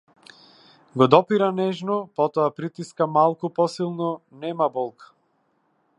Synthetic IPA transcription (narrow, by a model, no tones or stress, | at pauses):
ɡɔd̪ɔpiɾanɛʒnɔpɔt̪ɔapɾit̪iskamalˠkupɔsilˠnɔnɛmabɔlˠkḁ